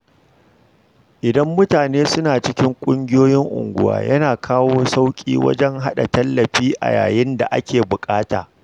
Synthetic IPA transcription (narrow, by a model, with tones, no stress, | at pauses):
ʔɪ˨dɐ˦mːʊ˦taː˨neː˦sʊ˦naː˨t͡ʃɪ˦kʲɪ˦ŋkʷʼʊ˦ŋɡʲɪ˦joː˦jɪ˦ŋʔʊ̰˨ŋɡʷʊ̰˦wa̰ː˨jɐ˦naː˨kʰaː˦woː˦sa˦wkʲʼḭː˦wɐ̰˦d͡ʒɛ˦ŋɦa˦ɗa̰˨tɐ˦lːɐ˨ɸiː˦ʔa̰˨ja̰ː˨jɪ˦nda̰˨ʔa̰˦kʲeː˨bʊ˨kʼaː˦ta̰ː˨